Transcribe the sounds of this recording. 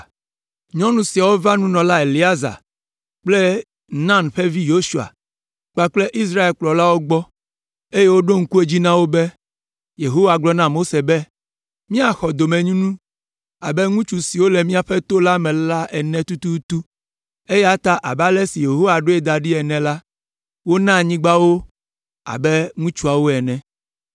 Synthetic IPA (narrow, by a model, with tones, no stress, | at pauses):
ɲɔ̃˦nũ˨si˨a˨wo˦va˦nũ˦nɔ̃˨la˦e˨li˨a˦za̰˨ | k͡ple˦ | nã˦nɸe˦vi˦jo˦ʃu˦a̰˨ | k͡pa˦k͡ple˦ʔi˦s̬ɾa˦e˨lk͡plɔ˨la˦wo˦ɡ͡bɔ˦ | e˦je˦wo˦ɖo˦ŋ̩˦ku˦e˦d͡ʑi˦nã˦wo˦be˦ | je˨ɦo˦wa˨ɡ͡blɔ˦nã˦mo˦se˨be˦ | mĩ˦a˨xɔ˨d̪o˨mɛ̃˨ɲũ˦nũ˦ | a˨bɛ˦ŋũ˦t͡ʃu˦si˨wo˦le˨mĩ˦a˨ɸɛ˦t̪o˦la˦mɛ̃˨la˦ʔɛ˨nɛ̃˦t̪u˦t̪u˦t̪u˦ | e˦jɛ˦a˦t̪a˦ʔa˨ba˦lɛ˦si˨je˨ɦo˦wa˨ɖo˦e˦d̪a˨ɖi˦ɛ˨nɛ̃˨la˦ | wo˦nã˦˨ɲĩ˦ɡ͡ba˦wo˦ | a̰˨bɛ˦ŋũ˦t͡ʃu˦a˨wo˦ɛ˨nɛ̃˨